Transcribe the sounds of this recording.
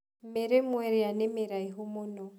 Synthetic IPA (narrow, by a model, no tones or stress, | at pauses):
m̩meɾemwɛɾianɪmɪɾaiɦʊmʊnɔ